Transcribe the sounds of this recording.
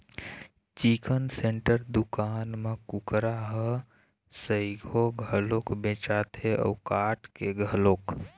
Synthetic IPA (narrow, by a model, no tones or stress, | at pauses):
t͡ʃikənsẽɳʈəɾd̪ukaːnmekʊkɾaɦə | səiɡʱoɡʱəlokbẽːt͡ʃat̪ʰeɔ̰ːkaːʈkeɡʱəloːk